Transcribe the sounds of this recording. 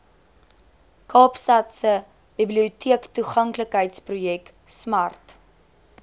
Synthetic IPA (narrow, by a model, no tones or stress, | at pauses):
kʰɑːpsɐtsə | b̥ibliutʰiəktuχɐŋkləkɦəjtsprujɛk | smɐrt